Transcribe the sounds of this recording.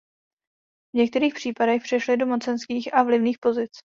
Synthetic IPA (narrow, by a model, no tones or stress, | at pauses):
vɲɛk̚t̪ɛɾiːxpr̝̥iːpadɛxpr̝̥ɛʃlɪdo̞mo̞t͡sɛnskiːxʔavlɪvniːxpo̞zɪt͡s